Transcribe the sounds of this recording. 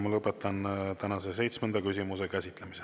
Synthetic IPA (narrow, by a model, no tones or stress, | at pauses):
mɑlɤpːˑet̪ˑːɑnt̪ænɑsese̞jt̪smend̪ɑkysimus̬e̞kæsʲit̪ˑlemise